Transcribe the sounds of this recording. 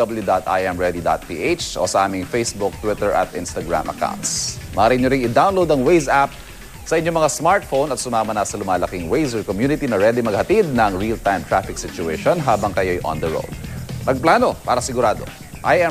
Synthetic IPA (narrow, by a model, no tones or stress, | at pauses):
ɐbɐljud̪at̪ʔa̰jʔɛmɹɛd̪id̪a̰t̪̚pḭːʔejt͡ʃʔo̰sɐʔaːmɪŋfejsbʊk̚t̪wɪt̪ɛɹʔɐ̰t̪ʔɪnst̪ɐɡɹa̰mʔɐ̰ka̰wnt̪smɐɾɪnɲoɾɪŋɪd̪awnlowd̪ɐŋwejzap̚ | sɐʔɪɲomɐŋasmaɹt̪̚fownɐt̪sʊmaːmɐnasɐlʊmaːlɐkiŋwejzɛɹkomjuːnɪt̪inɐɹɛd̪ɪmɐɡ̚hɐt̪id̪̚nɐŋɹilt̪ajmt̪ɹafɪksɪt͡ʃʊɛʃonɦaːbɐŋkɐjo̞jʔɔ̰nd̪ɛɹo̰wd̪̚nɐɡ̚plaːno̞paːɾɐsɪɡʊɾaːd̪o̞̰ | ʔajʔɛ